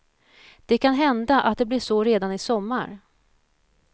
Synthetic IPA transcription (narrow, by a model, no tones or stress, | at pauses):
d̪̥ɛkʰanɦɛnd̪aʔa̰t̪̚d̪ɛblɪʂɔɾeːd̪anɪsɔmːa̰ɾ